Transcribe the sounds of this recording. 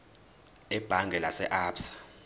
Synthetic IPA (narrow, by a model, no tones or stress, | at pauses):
ɛb̥ʱaŋɡʱɛlasɛʔaːpsḁ